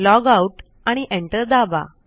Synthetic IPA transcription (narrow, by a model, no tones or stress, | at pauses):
lɔɡauʈ | aɽ̃iʔeɳʈəɾd̪aʋa̰